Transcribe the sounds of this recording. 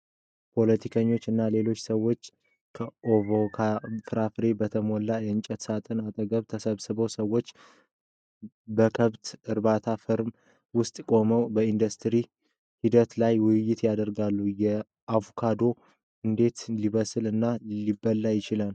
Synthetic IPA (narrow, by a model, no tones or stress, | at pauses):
pʰo̞lət̪ʰikʰəɲːo̞t͡ʃːɨnːale̞lo̞t͡ʃːsəwːo̞t͡ʃː | kʰəʔovokʰafɨɾafɾe̞bət̪ʰəmolːajɛɨnt͡ʃʼɛt̪sat̪ʼɨnat̪ʼəɡəβt̪ʰəsəβsɨβəwsəwːo̞t͡ʃː | bəkʰəβt̪ɨɾbat̪ʰafɨɾm | wʊst̪ʼkʼo̞məwbəind̪ust̪ʰɾi | hid̪ət̪lajwɪjːɪt̪jad̪əɾɡalːujɛ | ʔavokʰad̪o̞ | ɨnd̪e̞t̪liβəsɨlɨnːalibːəlːajɪt͡ʃɪlal